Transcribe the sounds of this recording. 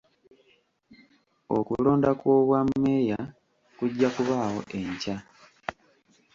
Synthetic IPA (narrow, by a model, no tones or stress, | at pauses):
o̞̰kulo̞ːndakwo̞ːβwamːe̞ːja | kuɟːakuβaːho̞ʔe̞ɲca